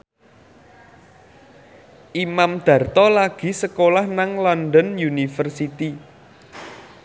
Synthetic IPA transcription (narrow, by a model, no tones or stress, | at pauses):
ʔimamd̪̥ä̤rt̪ɔlaɡ̥i̤səkolahnaŋlanɖənjunifərsit̪i